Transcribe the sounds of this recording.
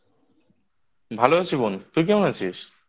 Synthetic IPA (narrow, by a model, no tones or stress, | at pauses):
bʱaloasibunt̪ujk̬jaw̃nasis